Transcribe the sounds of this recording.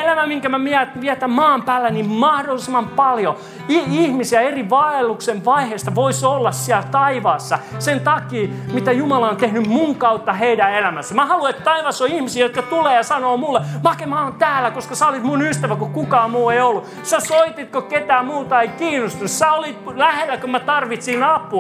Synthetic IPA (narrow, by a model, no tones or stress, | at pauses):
elæmæmiŋkæmæmiæt̪ʋiæt̪æmmɑːmpæːlːænimmɑhdolːisemɑmpɑljo | iihmisiæeriʋɑelːukseʋʋɑiheːst̪ɑʋoisolːɑssiælt̪ɑiʋɑːsːɑsent̪ɑkiːmit̪æjumɑlɑont̪ehnymmuŋkɑut̪ːɑheidæelæmæsːæmæhɑluet̪t̪ɑiʋɑsːoihmisiːjot̪kɑt̪uleːjɑsɑnoːmulːemɑkemɑːnt̪æːlːækoskɑsæːolit̪munyst̪æʋækokukɑːmuːeiolːu | sæsoit̪it̪koket̪æːmuːt̪ɑeikiːnːost̪unssæolit̪læhelːækømæt̪ɑrʋit̪sinɑpu